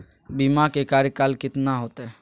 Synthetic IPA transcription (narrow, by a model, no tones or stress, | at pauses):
bimakekaːɾjəkaːlkɪt̪naɦoːt̪e